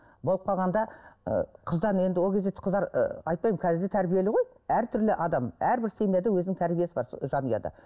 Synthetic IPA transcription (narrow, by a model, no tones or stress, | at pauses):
bo̞lˠəp̚qʰɑlˠʁɑnd̪ɑ̰ | qʰəzd̪ɑne̞nd̪ɪwokʰʲe̞zd̪eqʰəzd̪ɑɾ̰ɑjt̪̚pɑjməŋkʲʰæzɪɾd̪e̞t̪ʰæɾbije̞lɪʁo̞j | æɾt̪ʰʏɾlɪʔɑd̪ɑmæɾbɪɾsemed̪ewɵzɪnɪŋt̪ʰæɾbije̞sɪbɑ̰ɾsʒɑnəjɑ̰d̪ɑ̰